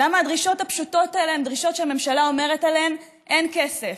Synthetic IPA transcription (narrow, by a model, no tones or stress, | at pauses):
lamaːdʁiʃo̞thapʃuto̞taeleemd̪ʁiʃo̞tʃeame̞mʃalao̞me̞ʁetaleem | ʔe̞nke̞sef